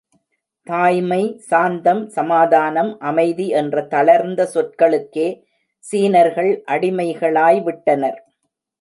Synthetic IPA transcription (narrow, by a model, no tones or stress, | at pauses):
t̪aːjmɐɪsaːnd̪ɐmsɐmaːðaːnɐmʔɐmɐɪðiɛndrɐt̪ɐɭɐɾnd̪ɐsɔʈ̚kɐɭɯkːeː | siːnɐɾɣɐɭʔɐɽɪmɐɪɣɐɭaːjʋɪʈːɐnɐɾ